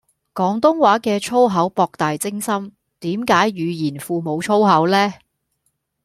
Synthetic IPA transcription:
kɔː˨˥ŋt̪ʊ˥ŋwaː˨˥kɛː˧t͡ʃʰo˥wɦɐ˨˥wpɔː˧k̚t̪aː˨jt͡sɪ˥ŋsɐ˥m | t̪iː˨˥mkaː˨˥jɥyː˨˧jiː˨˩nfuː˨˧mo˨˧wt͡ʃʰo˥wɦɐ˨˥wlɛː˥

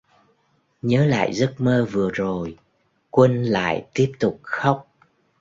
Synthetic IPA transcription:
ɲəː˨˦la̰ː˧˨jzə˦˥t̚məː˧vɨ˨˩əzo˨˩j | kwə˧nla̰ː˧˨jt̪i˦˥əp̚t̪ʊ˨˩k͡p̚xa˦˥wk͡p̚

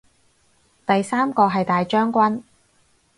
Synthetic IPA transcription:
t̪ɐ˨jsaː˥mkɔː˧ɦɐ˨jt̪aː˨jt͡ʃœː˥ŋkʷɐ˥n

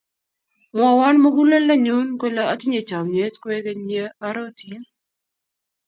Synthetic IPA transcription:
ŋɔ˨wa˦nma˦ɡu˦le˦la˦ɲu˦nko˦la˦a˦tɪ˦ɲe˨t͡ʃa˨mɲe˦tkwe˦ɡe˦ɲe˦a˦ɾɔ˦tɪ˦n

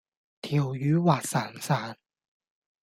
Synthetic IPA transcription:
t̪ʰiː˨˩wjyː˨˥waː˨˩t̚saː˨˩nsaː˨˦n

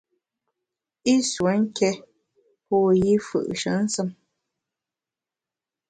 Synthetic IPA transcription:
i˦swə˨˦ŋ̩˦kɛ˦ | pɔ˦˨ji˦fɨ̰˨ʔʃə̰˨˦n̩˦sɨ˦m

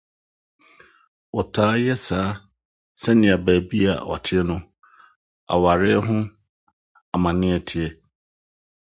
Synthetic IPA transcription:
ɔ˨tʰaː˦jɛ˦saː˨˦ | sɛ˦nɪ̃˨a˨bæː˨bi˦a̰˨ʔɔ̰˨tʰɪ˦ɛ˦nʊ̃˦ | a̰˨wa˨ɾɪ˦ɦʊ̃˦ | a˨mã˨nɪ̃˦ɛ˨tʰɪ˦ɛ˨

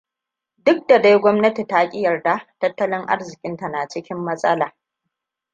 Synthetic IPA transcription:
dʊ˦k̚da˨da˦jɡʷɔ˦mnɐ˦ti˨ta˦kʲʼɪ˦jɐ˨rda˨tɐ˦tːɐ˦lɪ˦ŋʔa̰˦rzɪ˨kʲʼɪ˦nta˨na˨t͡ʃɪ˦kʲɪ˦mːɐ˦sʼɐ˦laː˨

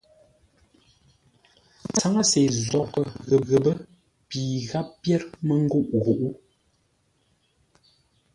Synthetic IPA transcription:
t͡sa˨˦ŋa˦se˨zɔ˨kə˦˨ɣə˨ɣə˨bə˦ | piː˨ɣa˦pːjɛ˦ɾmə˦ŋ˦ɡu˦˨ʔɣu˨ʔu˦

